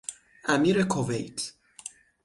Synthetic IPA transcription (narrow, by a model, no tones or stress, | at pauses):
ʔæmiːɾekʰovejt̪ʰ